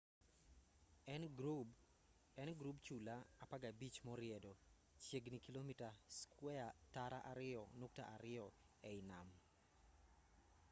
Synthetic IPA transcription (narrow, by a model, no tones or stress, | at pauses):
ɛnɡɾupt͡ʃulaːpaɡabit͡ʃmɔɾɪɛdɔ | t͡ʃjeɡnikilomitaskwɛataɾaʔaɾɪɔnok̚ta̰ʔaɾɪɔ | ɛɪnam